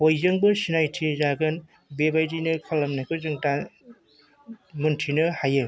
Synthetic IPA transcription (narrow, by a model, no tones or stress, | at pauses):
hojzɯŋbɯsinajtʰizaɡɯn | bebajdinɯkʰɐlːɐmnakʰɯzɯŋta | muntʰinɯhajɯ